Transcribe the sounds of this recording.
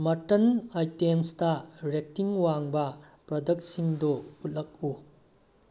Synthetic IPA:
mɐtɐnajtemstɐɾek̚tiŋwaŋbɐpɾɐdɐksiŋdout̚lɐk̚u

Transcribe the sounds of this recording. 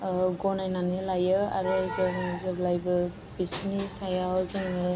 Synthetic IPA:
ɡɔnajnanɯlajɯa̰ɾɯzɯŋzɯblajbɯ | bisnisajawzɯŋɯ

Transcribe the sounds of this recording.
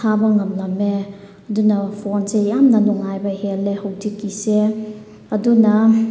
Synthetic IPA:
abɐŋɐmlɐme | ɐdunɐpʰonsejamnɐnuŋajbɐhelehɐwdikːise | ɐdunɐ

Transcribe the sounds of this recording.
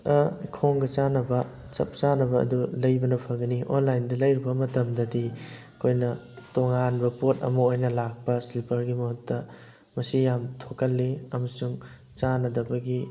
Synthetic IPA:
ɐkʰoŋɡɐt͡ʃanɐbɐ | t͡ʃɐ̰p̚t͡ʃanɐbɐɐ̰dulɐjbɐnɐpʰɐɡɐniʔo̰nlajndɐlɐjɾibɐmɐtɐmdɐdi | kʰojnɐtoŋanbɐpot̚ɐ̰mɐojnɐlak̚pɐsilpʰɐɾɡimɐɦutːɐ | mɐsijamtʰokɐlːiɐmɐsuŋ | t͡ʃanɐdɐbɐɡi

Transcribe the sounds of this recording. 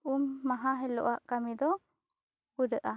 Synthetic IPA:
umːaɦaɦɛlɔ̰ʔaʔkamid̪ɔ | puɾəʔa

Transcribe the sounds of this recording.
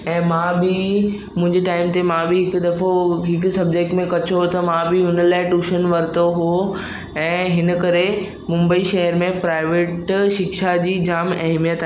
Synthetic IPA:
ɛ̃ːmãːbɪ | mʊ̃ɦɪ̃ɲd͡ʑeʈaːɪmt̪emãbɪɦɪkʊd̪ɐfoɦɪkʊ̆sɐbd͡ʑek̚ʈmẽkɐt͡ɕʰot̪ɐmãbɪɦʊnəlaːɪʈuːʃənʋɐɾɪt̪oɦo | ɛ̃ːɦɪnəkɐɾe | mʊ̃mbəiʃɐɦəɾmẽpɾaːɪʋeːʈʃɪkʃad͡ʑiːd͡ʑaːmɐɦmijət̪aɦ

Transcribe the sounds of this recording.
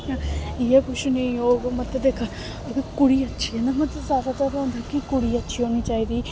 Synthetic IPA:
ãijakʊʃunijoːɡmɐt̪ːed̪eːkʰa | ɐɡəkʊɽiɐtːʃʰiɦẽnd̪amɐt̪ːsaːɾat͡ʃaːd̪aɦõnd̪ʱakikʊɽiɐtːʃʰiɦoːnit͡ʃaːɦid̪iː

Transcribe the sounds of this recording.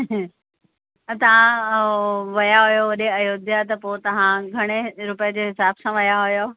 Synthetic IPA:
t̪ɐʋ̤ã | ʋɐjaɦʊjoɐɗeɐjod̪ʱjat̪ɐpot̪ɐʋ̤ãɡʱɐɽ̃eɾʊpjəd͡ʑeɦɪsaːbsãʋɐjaɦʊjo

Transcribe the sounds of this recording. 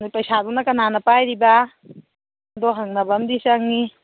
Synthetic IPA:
nujpɐjsadunakɐnanapajɾiba | dɔɦaŋnabamdisak̚ni

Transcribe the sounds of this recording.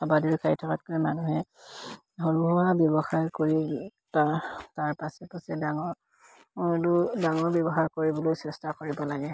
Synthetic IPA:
abadiɹkaɹitʰɔkatkojmanuɦɛ | ɦɔɹuɦɔwabjɔbɔxaɹkoɹi | pataɹpasɛpasɛdaŋɔɹ | ludaŋɔɹbjɔbɔxaɹkoɹibɔlojsɛstakoɹibɔlaɡɛ

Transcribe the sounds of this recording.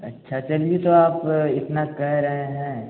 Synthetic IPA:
ɐ̰tːʃʰat͡ʃɐliet̪oaːpɪt̪nakɛɦɾɐɦeɦɛ̃ː

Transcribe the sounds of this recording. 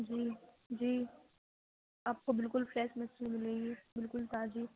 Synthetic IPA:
d͡ʒiː | d͡ʒiː | aːp̚kobɪlkʊlfɾɛːʃmɛt͡ʃẽmɪleɡebɪlkʊlt̪aːd͡ʒiː

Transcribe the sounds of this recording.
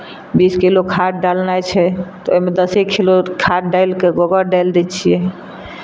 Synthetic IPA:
biskilokʰaʈ̚ɖalnajt͡ʃʰɛt̪ɔoimed̪əsekʰilokʰaʈ̚ɖajlkeɡoɡəɾɖajld̪ɛt͡ʃʰijɛ

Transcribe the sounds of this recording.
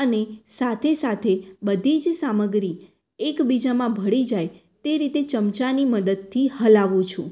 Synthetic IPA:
ənesat̪ʰesat̪ʰebəd̪ʱid͡ʒsaməɡɾi | ekbid͡ʒamãbʱəɭid͡ʒaj | t̪eɾit̪et͡ʃəmt͡ʃaniməd̪əd̪̚t̪ʰːihəlaʋũt͡ʃʰũ

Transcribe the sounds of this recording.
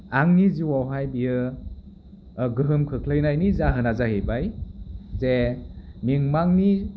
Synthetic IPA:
aŋniziwawɦajbijɯ | ɡɯɦɯmkʰɯkʰlɯjnajnizaɦɯnazaɦebajzemiŋmaŋni

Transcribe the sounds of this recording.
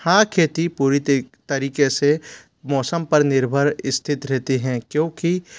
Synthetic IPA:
hãːkʰeːt̪ipuːɾit̪ɐɾiːkese | mɔːsəmpɐɾnɪɾbʱəɾɪst̪ʰɪt̪ɾɛɦt̪eɦɛ̃ːkjõːki

